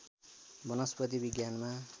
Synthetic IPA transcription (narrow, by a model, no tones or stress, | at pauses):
bʌnʌspʌt̪ibiɡjanma